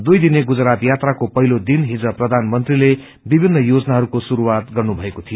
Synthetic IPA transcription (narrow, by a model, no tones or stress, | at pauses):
d̪ujd̪ineɡud͡zɾat̪jat̪rakopʌɦilod̪inɦid͡zʌprʌd̪ʱanmʌnt̪rile | bibʱinːʌjod͡zʌnaɦʌɾukosuɾuwat̪ɡʌrnubʱʌekot̪ʰijo